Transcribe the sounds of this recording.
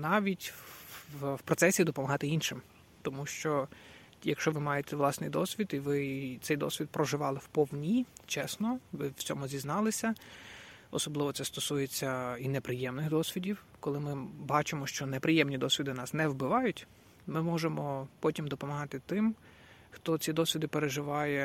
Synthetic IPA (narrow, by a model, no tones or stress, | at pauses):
nɑʋʲitʲ | wpɾɔt̪sɛsʲid̪ɔpɔmɐɦɑt̪ɪinʃɪm | t̪ɔmuʃt͡ʃɔ | jɐkʃt͡ʃɔʋɪmɑjet̪ɛʋlˠɑsnɪjd̪ɔsʲʋʲid̪iʋɪt̪sɛjd̪ɔ̰sʲʋʲid̪̚pɾɔʒɪʋɑlˠɪwpɔwnʲit͡ʃɛsnɔʋɪwt͡sʲɔmʊzʲiznɑlˠɪsʲɐ | ɔsɔblˠɪʋɔt̪ɛst̪ɔsujet͡sʲːɐinepɾɪjɛmnɪxd̪ɔsʲʋʲidʲiw | kɔlˠɪmɪbɑt͡ʃɪmɔʃt͡ʃɔnepɾɪjɛmnʲid̪ɔsʲʋʲid̪ɪnɑsnɛwbɪʋɑjʊtʲ | mɪmɔʒemɔpɔtʲimd̪ɔpɔmɐɦɑt̪ɪt̪ɪm | xt̪ɔt͡sʲid̪ɔsʲʋʲid̪ɪpeɾeʒɪʋɑjɛ